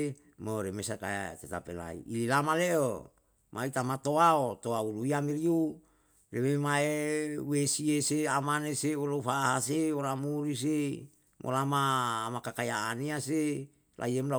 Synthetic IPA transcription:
moɾemesaka̰t̪et̪apela̰ḭililamaleʔo | mʔait̪amat̪oaot̪oauluiamiɾiu | rememaewesieseamaneseolofaːɦaseoɾamuɾis̬e | mʔo̰lamaːmakakajaːniase | lʔa̰iemla

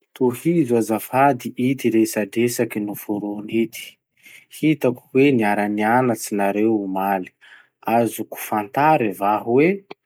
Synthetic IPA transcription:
t̪ohizazafad̪iʔit̪iɾesaɖ͡ʐesakinufuɾonit̪i̥ | hit̪aku̥weniaɾanianat͡sinaɾewumali̥ | azuku̥fant̪aɾivaɦuwe

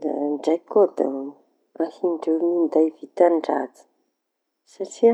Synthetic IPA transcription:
d̪a̰d͡zajkod̪a̰ | ahiɳɖ͡ʐewnind̪ajvit̪anɖ͡ʐa̰d͡zi̥ | saʈ͡ʂi

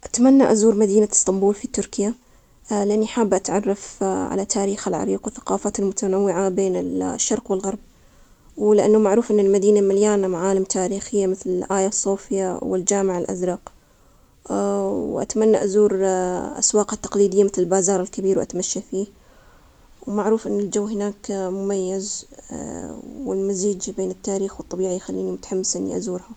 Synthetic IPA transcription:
ʔat̪manːaʔazuːɾmad̪iːnast̪ɑmbuːlfit̪ʊɾkɪja | lɪʔanːiħaːbːʔat̪ʕɑrˤːɑfʕa̰lat̪ʰaːɾiːxalʕa̰ɾiːqwɪθḁqɑːfaːt̪almʊt̪anawːɪʕabeːnɪlʃːɑɾˤqwɪlɣɑɾˤb̚ | wlɪʔanːamaʕɾuːfʔɪnːalmad̪iːnamaljaːnamaʕaːlɪmt̪ʰaːɾiːxɪjːamɪθlɪlʔaːjasˤːuːfɪjawɪ̰ld͡ʒaːmɪʕalʔa̰zɾˤɑːq | wʔa̰t̪manːaʔazuːɾʔa̰swɑːqat̪ːɑ̥qliːd̪ɪjːamɪθlɪlbaːzɑːɾˤɪlkabiːɾwʔa̰t̪maʃːafiː | wmaʕɾuːfʔɪnːɪld͡ʒawːɦɪnaːkmʊmajːɪz | wɪ̰lmaziːd͡ʒbeːnɪt̪ːaːɾiːxwɨt̪ˤːɑbiːʕijxalːiːnimʊt̪ḁħamːɪsʔɪnːḭʔa̰zuːɾha

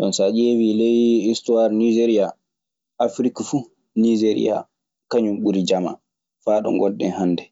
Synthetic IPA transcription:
ɗɔnsad͡ʒevilɛjistuwaɾnid͡ʒeɾija | afɾikafu | nid͡ʒeɾḭja̰ | kaɲumɓuɾid͡ʒama̰ | faːɗɔ̰ŋɡɔɗːɛ̰nhanːdɛ

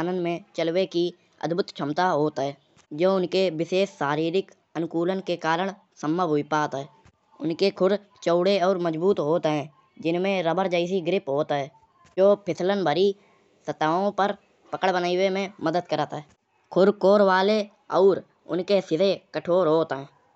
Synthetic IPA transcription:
aːnənmẽt͡ʃəlweki | ə̰d̪bʱʊt̪t͡ʃʰəmt̪aɦoːt̪ɦɛː | d͡ʒoːʊnkewɪseːssaːɾiːɾɪk | ənʊkuːlənkekaːɾəɳ̃ | səmːəbʊipaːt̪ɦɛː | ʊnkekʰʊɾ | t͡ʃəʊɽeɔːɾməd͡ʒbuːt̪ɦoːt̪ɦɛ̃ː | d͡ʒɪnmẽɾəbəɾd͡ʒəɪs̬iɡɾɪpɦoːt̪ɦɛː | d͡ʒoːpʰɪt̪ʰlənbʱəɾi | sət̪aːõpəɾ | pəkəɽbənaːiwemẽməd̪əd̪kəɾət̪ɦɛː | kʰʊɾkoːɾwaːle | ɔːɾ | ʊ̰nkesɪd̪ekəʈʰoːɾɦoːt̪ɦɛ̃ː

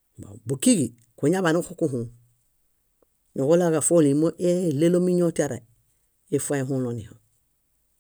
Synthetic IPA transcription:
ba̰bukiɡi | kuɲaβanukokuɦũ | ɲoɡolaɡafolimoʔelelomiɲotiaɾa̰ | efãɦũlonḭhõ̰

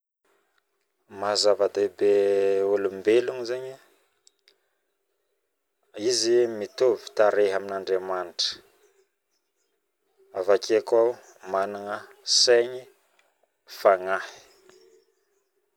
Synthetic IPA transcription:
mazavat̪ebeolumbeluŋzeɲi | izimit̪ovi̥t̪aɾeɦaminaɳɖ͡ʐemanʈ͡ʂə̥ | avakekwaw | manaŋə | seɲi | faŋahi̥

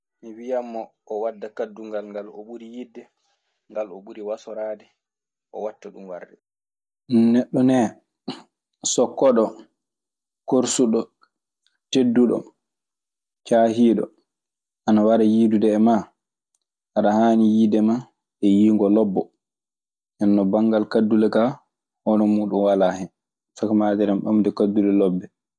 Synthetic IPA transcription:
miwijamːɔʔːwadːakadːuŋɡalŋɡalɔ̰ɓuɾijidːɛ | ŋɡalɔɓuɾiwasɔɾaːdɛ | ʔɔ̰watːaɗumwa̰rdɛ | nɛɗːɔnɛ | sɔkːɔɗɔ | koɾsuɗɔ | tedːuɗɔ̰ | t͡ʃaːɦiːɗɔ̰ | ʔanawaɾajiːdudɛːma | ʔaɗahaːnijidɛma | ʔɛjiːŋɡɔlɔbːɔ | ʔɛnːɔbaŋːɡalkadːulɛka | hɔnɔmuːɗunwalahɛn | sakamaːd͡ʒɛɾɛmɓamdɛkadːulɛlɔbːɛ

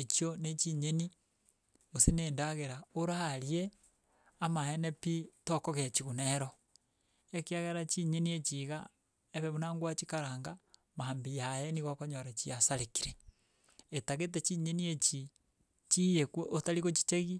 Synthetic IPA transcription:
et͡ʃionet͡ʃiɲeni | oseneːndaɣeɾaoɾaɾje | amahenepitokoɣet͡ʃiɣuneɾo | ekiaɣeɾat͡ʃiɲeniet͡ʃiɣa | eβɛβunaːŋɡwat͡ʃikaɾaːŋɡa | maːmbijajɛniɣakoɲoɾat͡ʃiasaɾekiɾe | etaɣet̬et͡ʃiɲeniet͡ʃi | t͡ʃijekweʔotaɾiɣot͡ʃi̥t͡ʃeɣi

